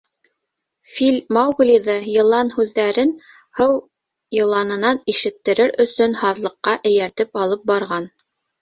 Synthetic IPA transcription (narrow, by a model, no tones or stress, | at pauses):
filʲmɑwɡlʲiðɤjɤ̆lˠɑnhʉðːæɾɘn | hɤw | jɤ̆lˠɑnɤ̆nɑniʃɘ̆t̪ːɘ̆ɾɘɾɵ̆sɵnhɑðlˠɤ̆qːɑʔɘ̆jæɾt̪ɘpɑlˠɤp̚bɑɾʁɑn